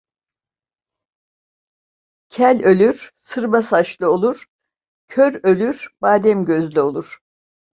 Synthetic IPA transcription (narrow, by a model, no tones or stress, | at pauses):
cʰælʲø̞lʲyɾ̥sɯɾbasaʃlˠɯo̞lˠuɾ̥ | cʰøɾø̞lʲyɾ̥baːd̪ɛmɟøzlʲyo̞lˠuɾ̥